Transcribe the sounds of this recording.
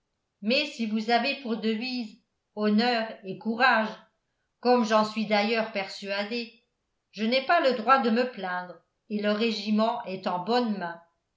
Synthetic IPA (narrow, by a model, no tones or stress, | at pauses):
mɛsivuzavepuʁd̪əviːz | ɔnœːʁekuʁaʒ | kɔmʒɑ̃sɥid̪ajœːʁpɛʁsyad̪e | ʒənɛpaləd̪ʁwad̪əməplɛ̃d̪ʁ | eləʁeʒimɑ̃ʔɛt̪ɑ̃bɔnmɛ̃